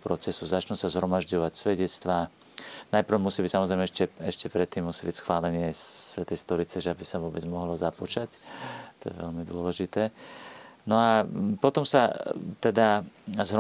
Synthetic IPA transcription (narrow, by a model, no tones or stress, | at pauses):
pɾɔt͡sɛsuzat͡ʃnusazɦɾɔmaʒɟɔʋacsʋɛɟɛt͡st̪ʋaː | najpr̩musiːbicsamɔzɾɛjmɛɛʃcɛɛʃcɛpɾɛt̪ːiːmːusiːbicsxʋaːlɛɲɪɛsʋɛt̪ɛjst̪ɔɾit͡sɛʒɛabisaʋʊɔbɛd͡zmɔɦlɔzaput͡ʃact̪ɔjɛ̰ʋɛ̰lmid̪ʊɔlɛʒit̪ɛː | nɔapɔt̪ɔmsat̪ɛd̪azɦɾɔ